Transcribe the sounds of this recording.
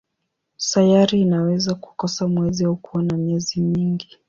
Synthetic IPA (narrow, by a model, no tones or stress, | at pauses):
sajaɾiːnawɛzaku̥kɔsamwɛziaukuwanamɛzimiŋɡi